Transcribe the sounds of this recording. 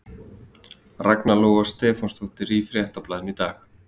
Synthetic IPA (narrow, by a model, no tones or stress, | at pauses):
raknalɔːɣast̪ɛːfɔnst̪ʰoht̪ɪɾifɾjɛht̪aplaːðɪmit̪aːx